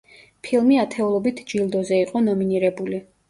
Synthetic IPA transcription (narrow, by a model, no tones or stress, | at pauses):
pʰilˠmiat̪ʰɛulˠɔbit̪ʰd͡ʒilˠd̪ɔzɛiqʼɔnɔminiɾɛbuli